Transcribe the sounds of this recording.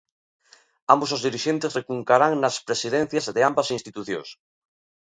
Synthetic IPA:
ambosozðiɾiʃent̪esrekuŋkaɾaŋnaspɾesiðẽn̟θjazðeambasĩnst̪it̪uθjo̰ŋs

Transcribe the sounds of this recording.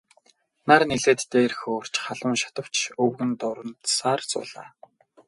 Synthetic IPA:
narneɮeːt̪ːeːrxoːr̥t͡ɕχaɮə̆mʃḁt̪ə̆w̥t͡ɕʰɵwɣɘ̆nt̪ʊɾə̆nt̪saːrt͡sʊ̰ːɮa̰ː

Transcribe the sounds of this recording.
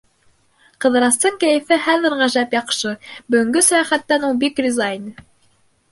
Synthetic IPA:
qɤ̆ðɤ̆ɾɑst̪ɤɴkæjɘ̆fɘχæðɘ̆ɾʁæʒæpjɑqʃɤbɵ̆ɡɵ̆ŋɡɵsæjɑχæt̪ːænulˠbikdʲizajn

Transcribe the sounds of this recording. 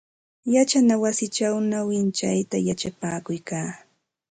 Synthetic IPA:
jat͡ʃanawasɪt͡ʃawnawɪnt͡ʃajt̪ajat͡ʃapaːkʊjkaː

